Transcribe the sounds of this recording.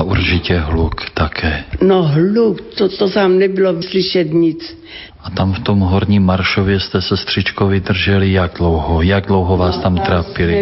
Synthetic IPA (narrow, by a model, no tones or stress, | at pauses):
aʔuɾt͡ʃicɛɦlukt̪akʰɛːnoɦlukt̪ot̪ot̪aːmnɛbɪlosliʃɛt̪ɲit͡s | ʔat̪amft̪omɦoɾɲiːmːaɾʃovjɛst̪ɛsɛst̪r̝̥it͡ʃkovid̪r̩ʒɛlijaɡ̚dlowɦojaɡdlowɦovaːst̪amt̪ɾaːpili